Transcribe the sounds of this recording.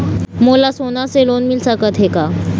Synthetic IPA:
molasonaselonmilsakət̪ɦeka

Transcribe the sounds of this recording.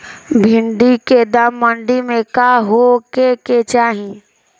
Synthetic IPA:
bʱɪɳɖiked̪əmːəɳɖimẽkaɦokeket͡ʃaːɦĩ

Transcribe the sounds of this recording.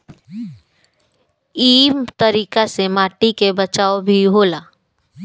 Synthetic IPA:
iːmt̪əɾiːkasemaːʈikebɐt͡ʃaːobʱiɦoːlaː

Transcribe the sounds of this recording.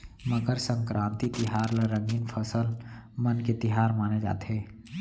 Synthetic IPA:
məɡəɾsə̃ŋkɾʔãːnt̪it̪ɪɦaːɾlaɾə̃ŋɡinpʰəsəlmɐnket̪ɪɦaːɾmaːned͡ʒa̰ːt̪ɦeː

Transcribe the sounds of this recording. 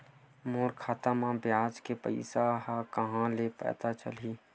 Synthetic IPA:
moːɾkʰaːt̪amãbjaːd͡ʒkepə̰ɪsaɦakəɦãlepɛ̰ːt̪at͡ʃə̰li

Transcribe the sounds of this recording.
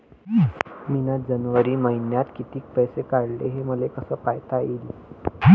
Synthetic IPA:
minad͡zənʋəɾiːməɦinjat̪kit̪iːk̚pəjsekaɽleɦeməlekəsəːpajt̪ail

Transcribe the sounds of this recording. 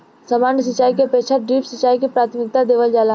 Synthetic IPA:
sɐmaːnəsət͡ʃːaːikepeːt͡ʃʰaɖɾiːpsət͡ʃːaːikepɾaːt̪ʰmɪk̚t̪ad̪eːʋəld͡ʒaːla

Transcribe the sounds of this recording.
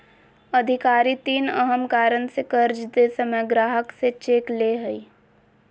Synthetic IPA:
əd̪ʱɪkaːɾit̪iːnə̰ɦəmkaːɾənsekəɾd͡ʒd̪esəməjɡɾaːɦəkset͡ʃeːkleːɦəi

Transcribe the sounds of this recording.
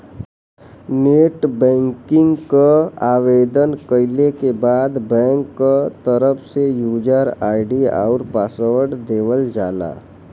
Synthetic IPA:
neːʈbɛ̃ːŋkɪ̃ŋɡkaaːʋeːd̪ənkəɪlekebaːd̪bɛ̃ːŋkːat̪əɾəpʰsejuːd͡ʒaɾaːɪɖia̰ʊɾpaːsəwəɽd̪eːʋəld͡ʒaːla̰ː

